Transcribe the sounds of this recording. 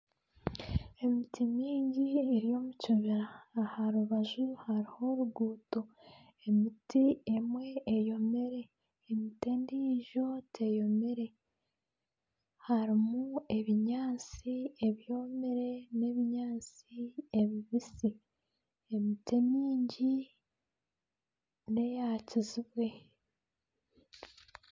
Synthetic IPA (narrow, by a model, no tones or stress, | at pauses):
e̞mitʰimiːɲɟieɾijo̞ːmucuβiɾaːhaɾuβaʒuhaɾiho̞ɾuɡuːto̞ | emitiemwe̞ːjo̞meɾe̞ː | mitendiʒo̞tʰe̞jo̞meɾe̞ | haɾimue̞βiɲaːt͡sie̞βjo̞ːmeɾe̞ne̞βiɲaːt͡sieβiβisi | emitemiːɲɟi | ne̞jaːciziβwe̞